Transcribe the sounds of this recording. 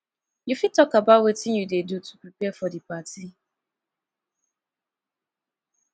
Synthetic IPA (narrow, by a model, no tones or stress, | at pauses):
jufid̚tɔkabawetɪnjudedutu̥pɾipɛfɔdipatʰi